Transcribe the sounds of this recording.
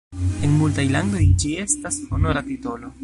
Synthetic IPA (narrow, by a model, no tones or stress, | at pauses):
eŋmult̪ajland̪ojd͡ʒie̞st̪asonoɾat̪it̪olo